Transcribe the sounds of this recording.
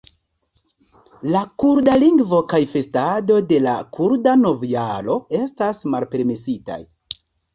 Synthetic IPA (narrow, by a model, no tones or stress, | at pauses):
lakuɾdaliŋɡvo̞kajfe̞stado̞de̞la̰kʰuɾdano̞vialo̞e̞stasmalpe̞ɾme̞sita̰j